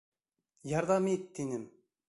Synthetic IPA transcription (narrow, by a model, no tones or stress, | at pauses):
jɑɾd̪ɑmit̪ːinɪm